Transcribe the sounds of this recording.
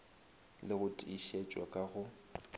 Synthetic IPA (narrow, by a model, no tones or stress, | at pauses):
lɪɣʊtʼiʃet͡ʃʼwa̰kʼaɣʊ